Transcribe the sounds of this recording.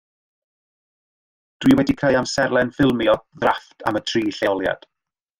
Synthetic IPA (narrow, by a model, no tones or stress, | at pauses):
d̥wiːwɛdikʰraɨamsɛɾlˠɛnfɪlˠmiɔðraftʰa̰mətʰriːɬeɔlˠja̰d̥